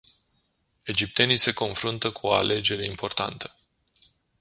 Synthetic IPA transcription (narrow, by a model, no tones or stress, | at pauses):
e̞d͡ʒip̚t̪e̞nijse̞ko̞nfɾunt̪əkʰuoa̰lʔe̞d͡ʒe̞ɾe̞impo̞rt̪a̰nt̪ʰə̥